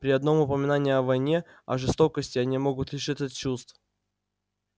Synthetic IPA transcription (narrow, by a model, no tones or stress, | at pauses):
pɾʲɪɐd̪no̞mʊpəmʲɪnanʲɪjɐvɐjnʲe̞ | ɐ̰ʐɨst̪o̞kəsʲtʲɪɐnʲimo̞ɡʊt̪lʲɪʂɨt̪ʲɐt̪t͡ɕust̪f